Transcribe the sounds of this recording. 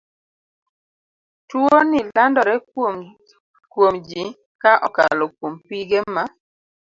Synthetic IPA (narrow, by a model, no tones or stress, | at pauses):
twonɪlandɔɾɛ | kwomd͡ʒi | kaʔɔka̰lɔkwompiɡema